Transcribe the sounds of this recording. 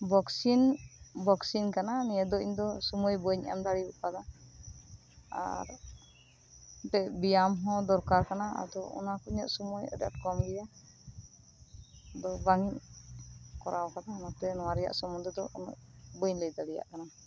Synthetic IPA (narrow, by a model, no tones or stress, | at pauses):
bɔksinbɔksinkananijɛd̪ɔiɲd̪ɔsɔmɔjbɔɲa̰md̪aɽibuʔkad̪a | a̰ɾ | bɛʔbijamɦɔ̃d̪ɔɾkaɾkanaa̰d̪ɔɔ̰nakɔɲɔʔsɔmɔjɔ̰dɔ̰ʈkɔmɡɛja | d̪ɔbaŋiɲ | kɔɾawkad̪aɔnɔt̪ɛnɔwaɾɛja̰ʔsɔmund̪ɾɛd̪ɔɔ̰nɔ̰ʔbɔjɲləjd̪aɽija̰ʔkana